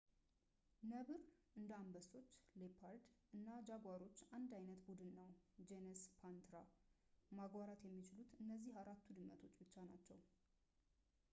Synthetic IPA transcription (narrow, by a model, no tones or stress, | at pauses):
nəβɨɾʔɨnd̪əambəso̞t͡ʃːlepʰaɾd̪ʔɨnːad͡ʒaɡʷaɾo̞t͡ʃːand̪ajnət̪bud̪ɨnːəwd͡ʒenɛspʰant̪ɾa | maɡwaɾat̪jɛmːit͡ʃɪlut̪ɨnːəzːihaɾat̪ːud̪ɨmːə̰t̪ʰo̞t͡ʃːbɨt͡ʃːanat͡ʃːɛw